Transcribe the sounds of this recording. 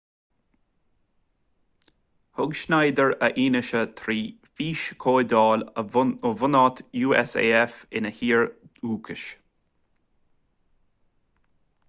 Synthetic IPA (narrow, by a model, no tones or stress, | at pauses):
hʊɡʃnajd̪əɹəʔiːnɪʃət̪ʰɾiː | fiːʃkʰoːd̪ɑːləovʊnɑːt̪ʰjuːɛsḛːɛfɪnəhiːɹuːkʰəʃ